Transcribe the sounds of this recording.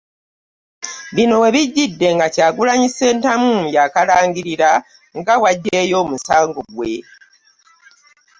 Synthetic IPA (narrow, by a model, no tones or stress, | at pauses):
βino̞we̞βiɟːidːe̞ŋɡacaːɡulaɲise̞ːntamujakalaːŋɡiɾiɾa | ŋɡawaɟːe̞ːjo̞ːmusaːŋɡoɡwe̞̰